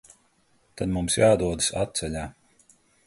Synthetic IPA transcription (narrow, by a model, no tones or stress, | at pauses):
t̪ad̪mumsjaːd̪uɔd̪ɨ̥sat̪̚t̪sɛʎʲaː